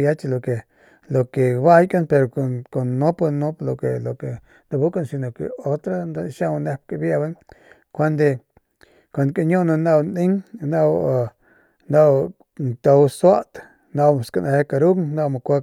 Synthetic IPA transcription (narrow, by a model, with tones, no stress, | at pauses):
ja˦t͡ʃlo˨ke˨ | lo˨ke˨ba˦jka˦npe˧ɾo˨ko˨ko˨nːo˦pno˦plo˨ke˨lo˨ke˨ | nd̪a˧bu˦ka˦nsi˧no˨kḛ˨o˦t̪ɾa˦nd̪a˦ʃa˦wne˦k̚ka˧bja˦ba˦ŋ | kʷa˦nd̪e˧ | kʷo˨nka˧ɲo˦na˧na˧wni˦ŋna˦w | na˦˧w | nt̪o˧wswa˦t̪ | na˧wska˧˨na˧he˦ka˧ɾu˦kŋna˦˧wma˨kʷa˦